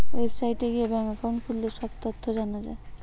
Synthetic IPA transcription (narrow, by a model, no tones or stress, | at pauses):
websajʈeɡiebɛŋakawnkʰulːeʃɔbt̪ot̪ʰːod͡ʑanad͡ʑa̰e